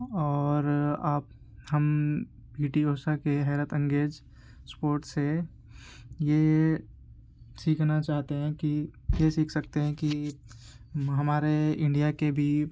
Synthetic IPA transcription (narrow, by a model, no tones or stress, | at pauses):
ɔːɾaːp̚ | həm | biːʈioːsakeɦɛːɾət̪ə̃ŋɡeːd͡ʒ | spoːɾʈse | je | siːkʰnat͡ʃaːɦt̪eɦɛ̃kijesiːkʰsɐkt̪eɦɛ̃ki | ɦɐmaːɾeɪ̃ɳɖijakebʱi